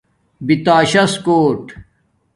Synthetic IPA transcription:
bit̪aːɕɐskoːʈ

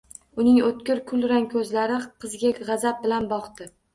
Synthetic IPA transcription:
ʊnɪŋot̪̚kʲɪɾkʰʊlˠɾaŋkʲʰɵzlaɾɪqʰɨzɡʲaʁɑzap̚bɪlanbɒqt̪ɪ

